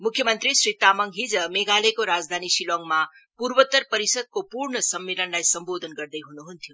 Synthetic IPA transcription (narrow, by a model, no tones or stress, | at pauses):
mukʰːjəmənt̪ɾisɾit̪ːaməŋɡɦid͡zəmeɡalekoɾad͡zd̪ʱanisilɔŋɡma | puɾbət̪əɾpəɾisəd̪̚kopuɾɳəsəmːilənlajsəmbod̪ʱənɡəɾd̪əjɦunuɦunt̪ʰiju